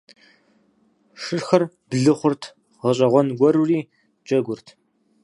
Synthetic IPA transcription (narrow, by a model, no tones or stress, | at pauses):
ʂɨrxɐr | b̥ɮɨχʷʊrtʰ | ʁɐɕ̬ʼɐʁʷɔnɡʷɔɾuriː | t͡ʃʼɐɡʷʊrtʰ